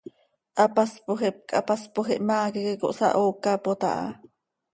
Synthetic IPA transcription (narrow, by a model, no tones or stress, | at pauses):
ʔapaspoxep̚kʰʼa̰paspoxiʔmaːkikeko̰ʔsa̰ʔoːkapot̪a̰ʔɑ̰